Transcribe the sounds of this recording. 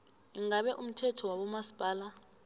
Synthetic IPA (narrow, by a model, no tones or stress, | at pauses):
iŋaɓɛʔum̩tʰɛtʰɔwaɓɔmasi̥b̥ʱaːla